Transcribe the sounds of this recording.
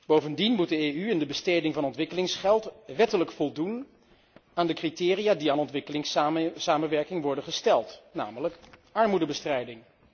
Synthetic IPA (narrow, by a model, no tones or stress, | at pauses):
b̥owvəndinmut̚dəeːyɪndəbəstejdɪŋvɑnɔntʋɪkəlɪŋsχɛlˠtʋɛtələkfɔlˠdun | aːndəkritɪːrijaːdiaːnɔntʋɪkəlɪŋssaːmənʋɛɹkɪŋʋɔɹdənχəstɛlˠtna̰ːmələkɑɹmudəbəstrɛjdɪŋ